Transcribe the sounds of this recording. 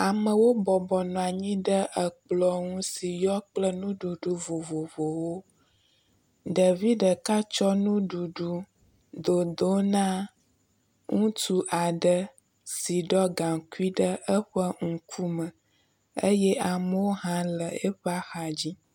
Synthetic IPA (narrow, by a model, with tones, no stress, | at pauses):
a˨mə̃˨wo˦bɔ˨bɔ˨nɔ̃˨a˨ɲĩ˦ɖə˦ʔə˨k͡plɔ˨ŋũ˦si˨jɔ˦k͡plə˦nũ˦ɖu˨ɖu˨vo˨vo˨vo˨wo˦ | ɖə˨vi˦ɖə˨ka˦t͡ʃɔ˦nũ˦ɖu˨ɖu˦ | d̪o˨d̪o˦nã˦ | ŋũ˦t̪u˦ʔa˨ɖə˦ | si˨ɖɔ˦ɡa˨ŋku˦i˦ɖə˦ə˦ɸə˦ŋ̩̃˨kʰu˦mə˨ | ə˦jɛ˦ʔa˨mə˦wo˦ɦã˦lə˨e˦ɸa˦xa˨d͡ʑi˦